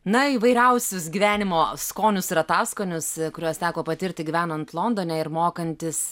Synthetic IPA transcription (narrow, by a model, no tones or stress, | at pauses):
nɐiːʋɐɪɾʲɛʊsʲʊsɡʲiʋʲæːnʲɪmoːskoːnʲʊsɪɾɐt̪ɑːskoːnʲʊskʊɾʲuɔst̪ʲæːkoːpɐt̪ʲɪɾʲt̪ʲɪɡʲiʋʲæːnɐnt̪lˠoːnd̪oːnʲɛɪɾmoːkɐnʲt̪ʲɪs